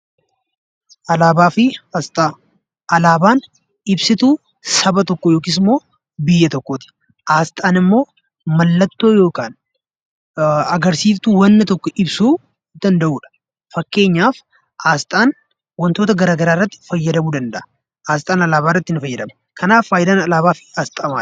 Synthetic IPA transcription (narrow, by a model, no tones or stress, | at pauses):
ʔɐlaːbaːfɪaːst̪ʼaː | ʔɐlaːbaːn | ɪbsɪt̪uː | sɐbɐt̪ɔkːɔjoːkɪs̬ɪmo̞ː | bɪjːɐt̪ɔkːoːt̪ɪ̥ | ʔaːst̪ʼaːnɪmːo̞ː | mɐlːɐt̪ːo̞ːjo̞ːkaːn | ɐɡɐɾsiːft̪uːwɐnːɐt̪ɔkːɔʔɪbsuː | d̪̥ɐnd̪ɐʔuːᶑɐ̥ | fɐkːe̞ːɲːaːf | ʔaːst̪ʼaːn | wɐnt̪oːt̪ɐɡɐɾaːɡɐɾaːɪrːɐt̪ːɪ̥fɐjːɐd̪ɐmuːd̪ɐnd̪ɐʔɐ | ʔaːst̪ʼaːnɐlaːbaːrːɐt̪ːɪnɪfɐjːɐd̪ɐmɐ̥ | kʰɐnaːfːaːjɪd̪aːnɐlaːbaːfɪ̥aːst̪ʼɐɐmaː